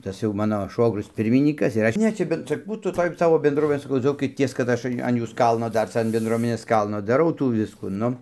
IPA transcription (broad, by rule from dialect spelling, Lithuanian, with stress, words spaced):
ˈtɐs jɛʊ ˈmɑːnoː ˈʃʋoːɡrʲʊs ˈpʲɪrʲmʲɪnʲiːkɐs ɪr ˈɐʃ ˈnʲɛ t͡ʃʲɛ ˈbʲɛn t͡ʃʲɛ ˈbuːtuː ˈtoːj ˈsɑːʋoː bʲɛndˈruɔmʲɪnʲeː sɐˈkɐʊ ˈd͡zɐʊkʲɪtʲiɛs kɐt ˈɐʃ ɐn ˈjuːs ˈkɐlˠnoː ˈdɐr ˈt͡sɐ ɐn bʲɛnˈdruɔmʲɛnʲeːs ˈkɐlˠnoː dɐˈrɐʊ ˈtuː ˈʋʲɪskuː ˈnʊ